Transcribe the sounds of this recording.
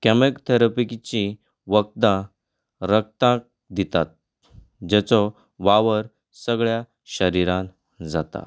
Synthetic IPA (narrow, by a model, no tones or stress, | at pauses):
kɛmekt̪ʰəɾəpikt͡ɕĩ | ʋək̚t̪ã | ɾək̚t̪ãk̚ | d̪it̪at̪̚ | d͡ʑɛt͡sɔ | ʋaʋəɾ | səɡɭja | ɕəɾiɾãn | d͡zat̪a̰